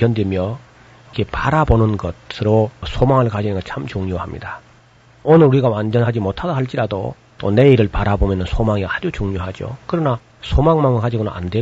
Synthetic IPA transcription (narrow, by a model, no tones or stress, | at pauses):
kjʌndwemjʌ | ke̞paɾabonɯnɡʌsʰɯɾosʰomaŋɯɭkad͡ʑinɯnɡʌt͡ɕʰamt͡ɕuŋɲohamɲḭda | onɯɾuɾiɡawand͡ʑʌnɦad͡ʑimotʰadaɦaɭt͡ɕ͈iɾado̰ | t͈o̰ne̞iɾɯɭpaɾabomjʌnɯnsʰomaŋiɡahad͡ʑut͡ɕuŋɲoɦad͡ʑo̰kɯɾʌna | sʰomaŋmaŋɯɭkad͡ʑiɡona̰nʔa̰ndwe̞